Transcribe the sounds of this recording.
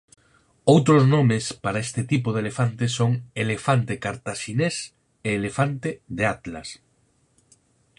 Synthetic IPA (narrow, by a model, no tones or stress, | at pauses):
owt̪ɾoznomespaɾaest̪ɪt̪ipoðelefant̪esoŋelefant̪ekaɾt̪aʃines | eːlefant̪eðeat̪la̰s